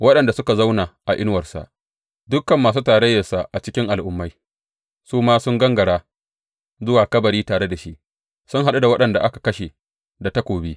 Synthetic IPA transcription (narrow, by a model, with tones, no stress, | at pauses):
wɐ˦ɗɐ˨nda˨sʊ˦ka˨za˦wnaː˨ʔa˨ʔɪ˦nwɐ˨rsa̰˨ʔ | dʊ˦kːɐ˨mːaː˨s̬uː˦taː˨ɾɐ˦jːɐ˨sa˨ʔa˨t͡ʃɪ˦kʲɪ˦ŋʔa˨lʔʊ˦mːa˦j | suː˦maː˦sʊ˦ŋɡɐ˦ŋɡɐ˨ɽaː˦ | zʊ˦waː˨kɐ˦bɐ˨ɾiː˦taː˨ɽe˦da˨ʃi˦ʔ | sʊ˦ŋɦa˨ɗu˦da˨wɐ˦ɗɐ˨nda˨ʔa˦kḁ˨kɐ˦ʃe˨ | da˨ta˦kʷoː˨biː˦